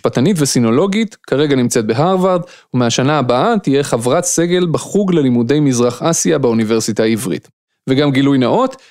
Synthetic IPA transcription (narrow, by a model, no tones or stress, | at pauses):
patanitvesino̞lo̞ɡit̪kʰaʁe̞ɡanimt͡set̪̚beɦaʁvaʁd̪ | umeaʃanaːbaʔat̪ije̞χavʁat̪se̞ɡe̞lbaχuɡle̞limudejmizʁaχasjabeunive̞ʁsitaivʁḭt | veɡamɡilujnaʔo̞t̪